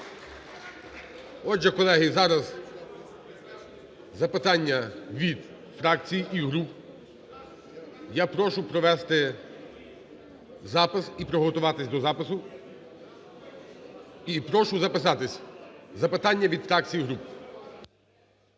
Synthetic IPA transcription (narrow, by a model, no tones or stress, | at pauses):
ɔd͡ʒʒɛkɔlˠɛɦɪzɑɾɐz | zɐpɪt̪ɑnʲːɐʋʲid̪ | fɾɑkt͡sʲijiiɦɾup | japɾɔʃʊpɾɔʋɛst̪ɪ | zɑpɪsipɾɔɦɔt̪ʊʋɑt̪ɪsʲd̪ɔzɑpɪsʊ | ipɾɔʃʊzɐpɪs̬ɑt̪ɪsʲzɐpɪt̪ɑnʲːɐʋʲid̪fɾɑk̚t͡sʲijiɦɾup